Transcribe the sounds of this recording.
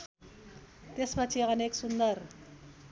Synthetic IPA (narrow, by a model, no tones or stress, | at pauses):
t̪espʌt͡sʰiʌneksund̪ʌr